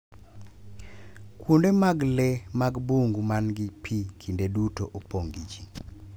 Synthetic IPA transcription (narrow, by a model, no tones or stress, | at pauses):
kwondemaɡlɛmaɡbuŋɡumanɡɪpʰikʰindedutoʔopoŋɡit͡ʃi